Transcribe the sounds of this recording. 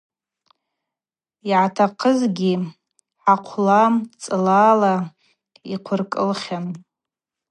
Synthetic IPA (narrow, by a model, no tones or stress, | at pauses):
iʕatʰaqʰəzɡʲi | ħaqʷʰlamt͡sʼɨlaːla | iqʷʰʊrkʼɨlχʲan